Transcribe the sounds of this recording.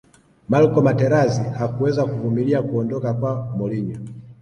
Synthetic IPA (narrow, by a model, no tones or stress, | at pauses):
malkɔmatɛɾazihakuwɛzakuvumiliakuɔndɔkakwamɔliɲɔ